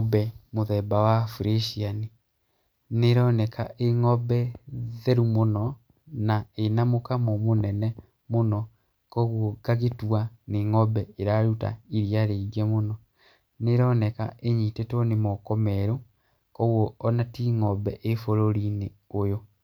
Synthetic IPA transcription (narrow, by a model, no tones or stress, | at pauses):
bɛmoðɛbawafuɾeʃiani | neɾɔnɛkaʔeŋɔbɛðeɾumonɔ | naenamokamomonɛnɛ | monɔ | kɔɣokaɣetuaneŋɔbɛeɾaɾuta̰iɾiaɾeɡɛmonɔ | neɾɔnɛka̰ʔeɲiːtetonemɔkɔmɛɾo | kɔɣwoːnatiŋɔbɛʔefoɾoɾine | ojo